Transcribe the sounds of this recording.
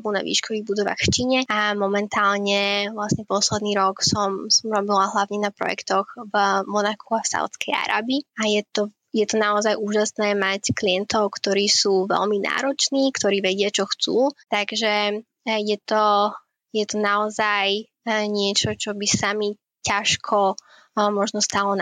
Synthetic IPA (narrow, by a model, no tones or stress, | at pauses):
buna̰ʋḭːʃkɔʋiːɣbud̪ɔʋa̰xft͡ʃiːɲɛʔamɔmɛnt̪aːlɲɛvlasɲɛpɔslɛd̪niːɾɔksɔmsɔmɾɔbilaɦlaʊɲɛnapɾɔ̰jɛ̰kt̪ɔɣvmɔnakuafsa̰ʊt͡skɛja̰ɾa̰ːbiajɛt̪ɔ | jɛt̪ɔnaɔzajʔuːʒasnɛːmackliɛnt̪ɔʊkt̪ɔɾiːsuːʋɛ̰lmina̰ːɾɔt͡ʃniːkt̪ɔɾiːʋɛɟɪat͡ʃɔxt͡suːt̪aɡʒɛ | jɛt̪ɔ | jɛt̪ɔnaɔzaj | ɲɪɛt͡ʃɔt͡ʃɔbisami | caʃkʰɔ | mɔʒnɔst̪alɔn